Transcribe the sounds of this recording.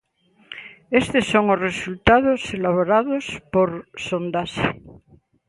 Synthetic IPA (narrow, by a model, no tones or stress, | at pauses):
est̪esːoŋozresult̪aðoselaβoɾaðospoɾsond̪as